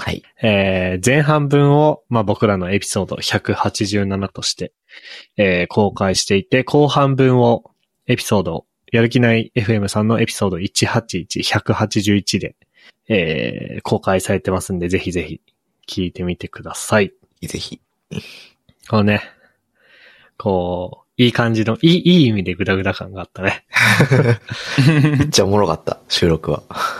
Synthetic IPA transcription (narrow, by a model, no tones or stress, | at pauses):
ha | eːzẽ̞ɰ̃ɦãmbɯ̟̃ɰ̃o̞mabo̞kɯ̟ɾano̞e̞pʲi̥so̞ːd̪o̞̰çakɯ̟hat͡ɕiʑɨːnanat̪o̞ɕi̥t̪e̞ː | kʰo̞ːkaiɕi̥t̪e̞it̪e̞kʰo̞ːhãmbɯ̟̃ɰ̃o̞ | e̞pʲi̥so̞ːd̪o̞̰ | jaɾɯ̟k̬ʲinaie̞ɸɯ̟e̞mɯ̟sãnːo̞ʔe̞pʲi̥so̞ːd̪o̞it͡ɕihat͡ɕiːt͡ɕiçakɯ̟hat͡ɕiʑɨːit͡ɕid̪e̞ | eːkʰo̞ːkaisaɾe̞t̪e̞masɨ̃nd̪e̞ze̞çize̞çḭ | kʲʰiːt̪e̞mʲit̪e̞kɯ̟d̪asai | zḛçi | koone̞ | kʰo̞ː | iːkãɲ̟d͡ʑino̞ʔiːʔiːimʲid̪e̞ɡɯ̟d̪aɡɯ̟d̪akãŋɡaːt̪ːane̞ | mit̪t͡ɕːaomoɾoka̰t̪ːa̰ɕɨːɾo̞kɯ̟βa̰